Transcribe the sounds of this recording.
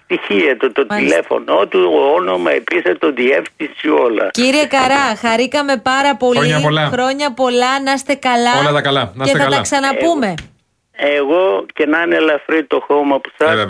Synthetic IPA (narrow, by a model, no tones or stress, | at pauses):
t̪içiɐt̪ot̪otilefo̰noot̪ionomɐepiset̪oðiefθisiolɐ̰ciɾiekɐɾɐxɐɾikɐme̞pɐɾɐpo̞liɲɐolɐxɾo̞ɲɐpo̞lɐnɐst̪e̞kɐlɐolɐt̪ɐkɐlɐnɐsetθɐɐlɐksɐnɐppumme̞ | eɣocenɐnelɐfɾit̪oxomɐpu̥sɐ